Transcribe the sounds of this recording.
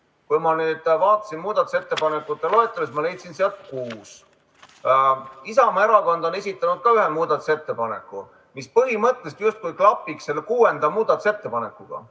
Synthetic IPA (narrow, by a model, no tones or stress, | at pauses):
kujmɑnyːd̪̥vɑːt̪ːˑɑ̥sinmuːd̪̥ɑt̪ːˑu̥se̞t̪ːe̞pɑnekːˑut̪ːˑelo̞et̪ːˑɑsesmɑle̞jt̪sinseɑt̪̚kuːs | isɑmɑeɾɑkond̪o̞ne̞s̬ʲit̪ːˑɑnud̪̥̚kɑyɦemuːd̪ɑt̪ːu̥se̞t̪ːe̞pɑne̞̰kˑːu | mispɤɦimɤt̪ːˑlest̪just̪̚kujklɑpːˑiksse̞lːekuːe̞nd̪̥ɑmuːd̪̥ɑt̪u̥se̞t̪ːe̞pɑne̞kːˑuɡ̥ɑ̰